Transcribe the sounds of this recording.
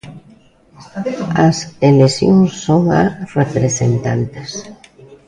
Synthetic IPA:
aselesjoŋsːoŋarepɾesḛnt̪a̰nt̪ɪs

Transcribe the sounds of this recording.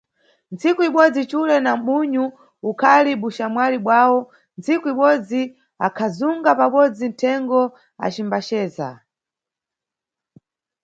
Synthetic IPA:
nt͡sikuiɓɔd͡zit͡ʃulɛnam̩ɓuɲu | ukʰaliɓuʃamwaliɓwaːwɔ | nt͡sikuiɓɔd͡zi | a̰kʰazuŋɡapaɓɔd͡zin̩tʰɛŋɡɔ | a̰t͡ʃimbat͡ʃɛːza̰

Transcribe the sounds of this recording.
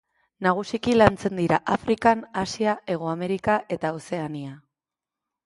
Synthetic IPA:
naɣ̞usikilant͡se̞nd̪iɾaʔafɾʔikanasiae̞ɣ̞o̞ame̞ɾikaʔe̞t̪ause̞ania

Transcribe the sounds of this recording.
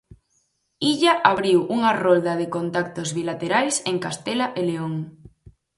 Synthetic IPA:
iʎaʔaβɾiwuŋarold̪aðekont̪akt̪ozβilat̪eɾajseŋkast̪elaʔeleoŋ

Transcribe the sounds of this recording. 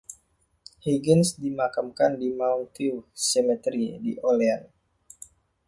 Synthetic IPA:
hiɡənsdimakamkandimauŋt̪iwsemet̪ɾidḭʔolean

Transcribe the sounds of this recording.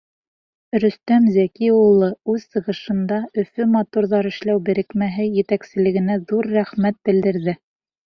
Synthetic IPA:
ɾɵ̆st̪æmzækiulˠːɤʉðsɤ̆ʁɤ̆ʃɤ̆nd̪ɑɵ̆fɵmɑt̪uɾðɑɾɘ̆ʃlæwbɘ̆ɾɘ̆kmæɦɘjɘ̆t̪æksɘ̆lɘ̆ɡɘ̆næðuɾːæχmæt̪̚bɘ̆ld̪ɘ̆ɾðɘ

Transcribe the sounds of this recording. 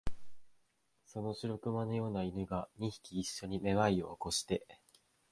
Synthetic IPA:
so̞no̞ɕɨɾokɯ̟manojo̞ːnainɯ̟ɡaɲ̟içi̥kʲiːɕːo̞ɲ̟ime̞βaio̞̰ːko̞ɕi̥t̪e̞

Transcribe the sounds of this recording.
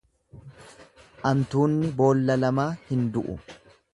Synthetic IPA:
ʔɐnt̪uːnːɪbo̞ːlːɐlɐmaːhɪnd̪ʊʔʊ̰

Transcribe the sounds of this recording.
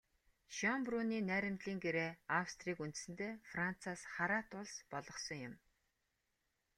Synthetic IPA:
ʃɔmpruniːnæːɾʲɪ̆mt̪ɮiːŋɡeɾeːawst̪riːkunt̪sɘ̆nt̪eːfran̥t͡saːsχaɾaːt̪ʊɮspɔɮɞ̆χsɞ̆ŋjʊm

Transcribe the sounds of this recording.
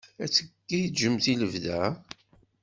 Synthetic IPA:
æt͡sːəɡːijʒəmθiləvðæ

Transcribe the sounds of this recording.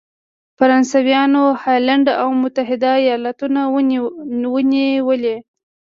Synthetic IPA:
faɾɑnsawjɑnohɑjlaɳɖawmʊt̪aɦɪd̪aajɑlat̪una | wəniwəle

